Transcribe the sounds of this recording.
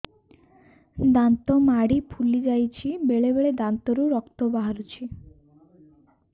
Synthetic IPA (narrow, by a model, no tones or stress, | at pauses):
d̪ant̪ɔmaɽipʰulid͡ʒajt͡ʃʰibeɭebeɭed̪ant̪ɔɾuɾɔkt̪ɔbaɦaɾut͡ʃʰi